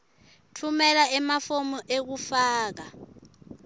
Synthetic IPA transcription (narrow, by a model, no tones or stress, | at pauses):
tʰumɛlaɛmafomɔʔek̬ufaːk̬a